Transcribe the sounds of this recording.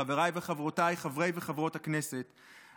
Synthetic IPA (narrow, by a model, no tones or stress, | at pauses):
aveʁajveχavʁotajχavʁe̞jveχavʁo̞taknese̞t